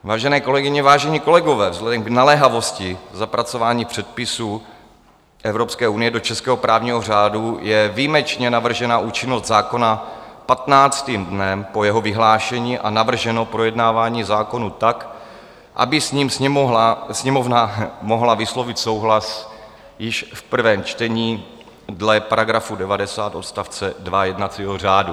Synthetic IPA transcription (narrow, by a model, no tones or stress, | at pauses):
vaːʒɛnɛːko̞lɛɡɪɲɛvaːʒɛɲiːko̞lɛɡo̞vɛːvzlɛdɛmɡnalɛɦavo̞scɪzapɾat͡so̞vaːɲiːpr̝̥ɛt̪̚pɪsuː | ʔɛvɾo̞pskɛːʔunɪjɛdo̞t͡ʃɛskɛːɦopɾaːvɲiːɦo̞r̝aːdujɛviːmɛt͡ʃɲɛnavr̩ʒɛnaʔuːt͡ʃɪnosd̪zaːko̞napat̪naːt͡st̪iːmdnɛmpo̞jɛɦo̞vɪɦlaːʃɛɲiːʔanavr̩ʒɛno̞pɾojɛdnaːvaːɲiːzaːko̞nut̪ak | ʔa̰bɪsɲiːmsɛasɲɛmovnamo̞ɦlavɪslo̞vɪt̪so̞wɦlas | jɪʃfpr̩vɛːmt͡ʃt̪ɛɲiː | dlɛpaɾaɡɾafudɛvadɛsaːt̪ʔo̞t̪st̪aft͡sɛdvajɛdnat͡siːɦor̝aːdu